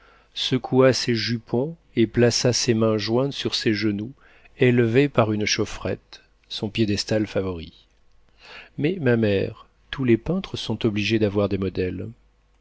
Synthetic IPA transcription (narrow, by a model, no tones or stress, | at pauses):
səkʰuaseʒypʰɔ̃ | eplasasemɛ̃ʒwɛ̃t̪syʁseʒənu | elvepaʁynʃɔfχɛ̰t̪ | sɔ̃pjed̪ɛst̪alfavɔʁḭ | mɛmamɛʁ | t̪ulepɛ̃t̪χəsɔ̃t̪ɔbliʒed̪avwaʁd̪emɔd̪ɛl